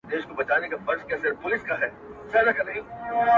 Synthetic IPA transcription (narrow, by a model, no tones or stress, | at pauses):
d̪eːʃkobɐt͡ʃaːnekafɐɾskɛːsepʊlɪskaɦɛː | sɐlɐkanɐɦĩː